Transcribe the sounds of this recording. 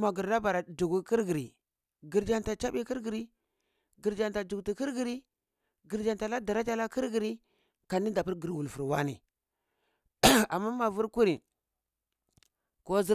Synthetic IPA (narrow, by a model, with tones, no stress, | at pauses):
ma˨ɡi˨ɾda˦ba˨ɾa˨d͡ʒu˨ɡu˦ki˦ɾɡi˨ɾi˨ | ɡi˨ɾd͡ʒa˦nta˨t͡ʃa˦bi˦ki˦ɾɡi˨ɾi˦ | ɡə˨ɾd͡ʒa˨nta˨d͡ʒu˨ɡti˨ki˦ɾɡi˨ɾi˦ | ɡi˨ɾd͡ʒa˨nta˨la˦da˨ɾa˦t͡ʃa˦la˦ki˦ɾɡi˨ɾi˦ | ka˨ni˦da˨pi˦ɾɡə˨ɾwu˨lfu˨ɾwa˦nḭ˨ | a˨mːa˦ma˨vu˦ɾku˦ɾi˨ | ko˦zi˦